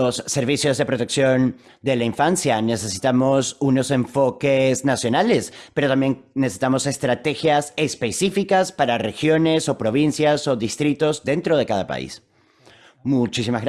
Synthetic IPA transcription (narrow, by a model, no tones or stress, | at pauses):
osːe̞ɾβisjo̞zðe̞pɾo̞t̪e̞ksjo̞n | d̪e̞laiɱfansjane̞se̞si̥t̪amo̞suno̞se̞ɱfo̞keznasjo̞nale̞speɾo̞t̪ambjeŋnesesi̥t̪amo̞se̞st̪ɾat̪e̞xjase̞spe̞sifikaspaɾare̞xjo̞ne̞so̞pɾo̞β̞insjaso̞ðist̪ɾit̪o̞zðe̞nt̪ɾo̞ð̞e̞kaðapa̰ḭs | mut͡ʃis̬imazɣɾ